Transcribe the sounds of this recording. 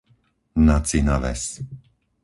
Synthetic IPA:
nat͡sinaʋɛ̰s

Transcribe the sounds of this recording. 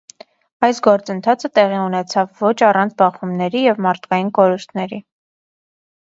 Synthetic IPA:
ɑjsɡɔɾt͡sənt̪ʰɑt͡sʰət̪ɛʁiunɛt͡sʰɑvːɔt͡ʃʰɑrɑnt͡sʰbɑχumnɛɾijɛvmɑɾt̪ʰkɑjinkɔɾust̪ʰnɛɾi

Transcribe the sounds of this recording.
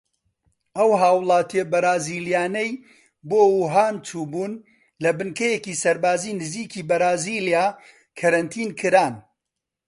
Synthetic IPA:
ʔɐwɦaːwlˠaːt̪iɐbɐɾaːziːljaːnɐj | boːuːɦaːnt͡ʃuːbuːn | lɐbɨnkɐjekisɐɾbaːziːnɨziːkiːbɐɾaːziːljaː | kʰɐɾɐnt̪ʰiːnkʰɨɾaːn

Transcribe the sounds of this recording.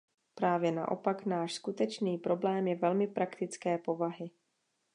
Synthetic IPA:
pɾaːvjɛna̰ʔo̞̰paknaːʃskut̪ɛt͡ʃniːpɾo̞blɛːmjɛvɛlmɪpɾʔakt̪ɪt͡skɛːpo̞vaɦɪ

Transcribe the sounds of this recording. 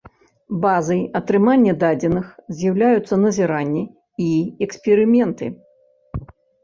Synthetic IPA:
bazɐjɐt̪ɾɨmanʲːɛd̪ad͡zʲɛnɨxzʲjɐwlʲajut̪sːɐnɐzʲɛɾanʲːɛ | iɛksʲpʲɛɾɨmʲɛnt̪ɨ̰

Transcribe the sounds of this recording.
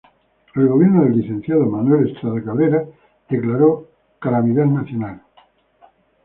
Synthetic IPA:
elɣo̞βjeɾnoðeliθẽn̟θjaðomanwelest̪ɾaðakaβeɾa | ð̥eklaɾo | kalamiðaðnaθjonal

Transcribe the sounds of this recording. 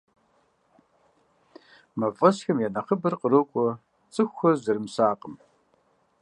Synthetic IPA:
mɐvʼɐɕxɐmjɛnɐχəbɐrqərɐkʷʼɔ | t͡sʼɨxʷxɐzɐɾɨmsaːqəm

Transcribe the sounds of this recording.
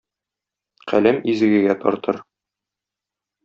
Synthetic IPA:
qæ̰læmizɘ̆ɡɘ̆ɡæt̪ɒ̰ɾt̪ɤɾ

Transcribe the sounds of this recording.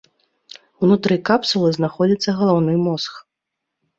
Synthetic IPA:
uwnut̪ɾɨkapsulˠɨznaxɔd͡zʲit̪sːɐɣɐlˠawnɨjmɔsx

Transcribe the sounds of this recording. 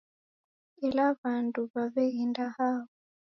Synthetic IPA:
ɛlaβanduβaβɛindahaβɔ

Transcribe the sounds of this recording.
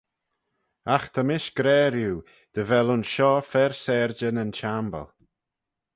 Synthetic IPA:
axt̪ʰəmɪʃɡ̥ɾɛːɾjuː | d̪̥əvɛlʊnʃɔːfɛɹsɛɹd͡ʒənənt͡ʃambə̰lˠ

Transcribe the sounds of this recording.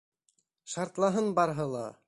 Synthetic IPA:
ʃɑɾt̪lˠɑɦɤnbɑɾɦɤlˠɑ̰

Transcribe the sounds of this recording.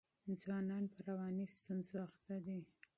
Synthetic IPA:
ɪnzwɑnɑnpəɾawɑnist̪unzoaxt̪ad̪i

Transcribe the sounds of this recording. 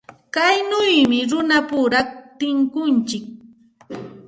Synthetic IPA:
kajnʊjmɪɾʊnapʊɾaχt̪ɪŋkʊnt͡ʃɪk̚

